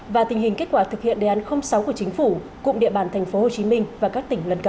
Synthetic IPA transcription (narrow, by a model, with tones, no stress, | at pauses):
vaː˨˩t̪ï˩ŋ̟hï˨˩ŋ̟ke˦˥t̚kwaː˧˩t̪ʰɨ˨˩k̚hḭ˧˨ənɗe˨˧˩ʔa˨˦nxə˧wŋ͡msa˨˦wku˧˩ət͡ɕi˨˦ŋ̟fu˧˩ | kʊ̰˧˨ŋ͡mɗḭ˧əɓaː˧˩nt̪ʰɛ˨˩ŋ̟fo˨˦ho˨˩t͡ɕi˨˦mï˧ŋ̟vaː˨˩kaː˦˥k̚t̪ï˧˩ŋ̟lə˨˧nkə˧˩